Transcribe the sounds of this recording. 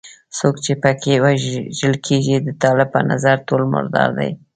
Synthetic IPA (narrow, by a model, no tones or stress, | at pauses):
sokt͡ʃepəkʰewaʒəlkʰeʒid̪ət̪ɑlɪb̚pə̰na̰zaɾtolmʊ̰ɾd̪ɑ̰ɾd̪a̰j